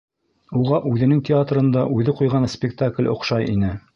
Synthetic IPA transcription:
uʁɑʔʉðɘ̆nɘŋtʲɪat̪rɤ̆nd̪ɑʔʉðɘqujʁɑnspʲɪkt̪aklʲŏ̰qʃɑjḭnɘ

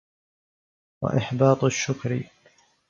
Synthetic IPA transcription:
wa̰ʔɪħbɑːt̪ˤaʃːʊkɾḭ

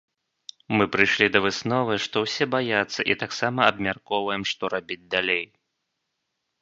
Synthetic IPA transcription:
mɨpɾɨjʂlʲid̪ɐvɨsnɔvɨʂt̪ɔwsʲɛbajat̪sːɐʔit̪aksamɐɐbmʲarkɔvɐjɛmʂt̪ɔɾabʲid͡zʲd̪alʲej

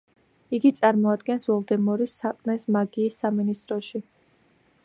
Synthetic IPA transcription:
iɡit̪sʼaɾmɔad̪ɡɛnsvɔlˠd̪ɛmɔɾisːaqʼmɛsmaɡiːsːaminist̪ʼɾɔʃi

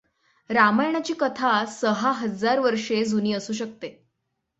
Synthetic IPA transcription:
ɾamajɳ̃at͡ɕiːkət̪ʰasəɦaɦəd͡zaɾʋəɾʂed͡zuniːəsuːɕ̬ək̚t̪e

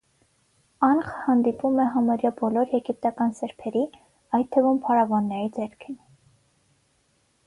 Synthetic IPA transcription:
ɑnχə̥hɑnd̪ipumɛɦɑmɑɾjɑbɔlɔɾjɛɡip̚t̪ɑkɑnsɛɾpʰɛɾi | ɑjt̪t̪ʰːəvumpʰɑɾɑvɑnːɛɾid͡zɛɾkʰin

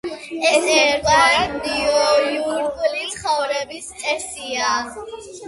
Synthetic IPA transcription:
ɛsɛɾɡʼaɾad̪iɔluɾkʼlisχɔvɾɛbiskʼɛsia

